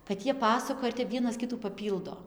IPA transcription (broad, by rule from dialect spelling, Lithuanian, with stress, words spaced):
kɐt ˈjiɛ ˈpɑːsɐkoːjɛ ɪr tʲɛp ˈʋʲiɛnɐs ˈkʲɪtuː pɐˈpʲiːlˠdoː